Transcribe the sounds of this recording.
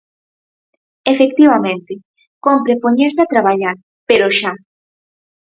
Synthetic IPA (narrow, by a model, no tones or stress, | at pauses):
efekt̪iβamẽnt̪ɪ | kompɾepoɲeɾsat̪ɾaβaʎaɾ | peɾoʃa